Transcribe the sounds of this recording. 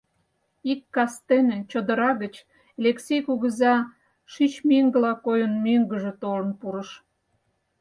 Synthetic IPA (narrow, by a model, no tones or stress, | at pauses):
ikːɑst̪enet͡ɕəd̪əɾɑɣət͡ɕ | leksejkuɣə̆zɑ | ʃit͡ɕmiŋɡəlɑkojənmøŋɡə̆ʒĕt̪olə̆npuɾəʃ